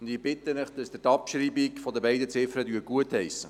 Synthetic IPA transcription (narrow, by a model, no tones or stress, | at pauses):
ʊnd̪ɪbɪt̪ənəχd̪̥ɑsd̥̪ətɑpʃɾiːbikfɔdəbɛɪdət͡sɪfɾədyːɡ̥uəthɛjsə